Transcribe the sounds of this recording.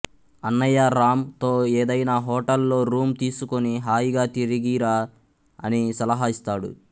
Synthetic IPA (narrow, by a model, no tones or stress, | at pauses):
ɐnːɐjaːɾaːmt̪oːeːd̪ɐjnaːɦɔːʈɐlːo̞ːɾuːmt̪iːsukoniɦaːjiɡaːt̪iɾiɡiːɾaː | ɐ̰nisɐlɐɦaːist̪aːɽṵ